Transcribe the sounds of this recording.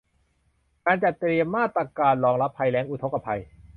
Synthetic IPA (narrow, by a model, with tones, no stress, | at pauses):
kaː˧nt͡ɕa˨˩t̪ːɾi˧əmːaː˥˩t̪ɾa˧kaː˧nlɔː˧ŋla˦˥pʰːa˧jlɛː˦˥ŋʔu˨˧t̪ʰo˦˥kːa˧pʰa˧j